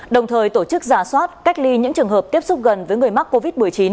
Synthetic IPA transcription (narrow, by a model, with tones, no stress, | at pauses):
ɗə˨˩wŋ͡mt̪ʰəː˨˩jt̪o˧˩t͡ɕɨ˦˥k̚zaː˧˩swaː˦˥t̚ka˦˥jk̚li˧ɲɨ̰˧˥ŋt͡ɕɨ˨˩əŋɦəː˨˩p̚t̪i˦˥əp̚sʊ˦˥k͡p̚ɣə˨˩nvəː˨˦jŋɨ˨˩əjma˦˥k̚kːo˧vi˦˥t̚mɨ˨˩əjt͡ɕi˨˦n